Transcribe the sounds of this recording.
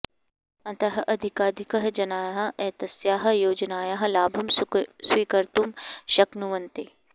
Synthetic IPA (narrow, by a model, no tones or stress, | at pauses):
ɐ̃t̪ɐɦʔɐd̪ʱikaːd̪ʱikɐɦd͡ʒɐnaːjaɦɐ̆ɛːt̪ɐsjaːɦɐ̆joːd͡ʒnaːjaɦɐ̆laːbʱɐmsʋiːkɐɾt̪umʃɐknuʋɐnt̪eː